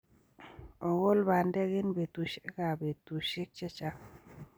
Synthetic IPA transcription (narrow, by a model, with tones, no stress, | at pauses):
ɔ˨ɡʊ˦lba˨ndɛ˦ɡɪ˦nbe˨t̪u˨ʃe˦ka˨be˨t̪u˨ʃe˦k̚t͡ʃe˦t͡ʃa˦k